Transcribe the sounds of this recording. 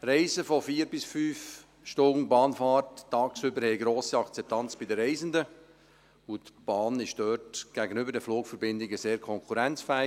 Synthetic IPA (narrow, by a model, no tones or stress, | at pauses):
ɾɛɪzəfɔfiːəɾbɪsfyːf | ʃtʊnbɑːnfɑːrttːɑːksʏbəɾhɛjɡɾoːsiɑkt͡sɛp̚t̪ʰɑnt͡sb̥idəɾɛɪzəndə | ʊtb̥ɑːnɪʃd̥œːtɡ̥æɡənʏbəɾdɛfluːkfəɾbɪndɪɡəseːɾkʰɔŋkʰuɾɛnt͡sfæːɪ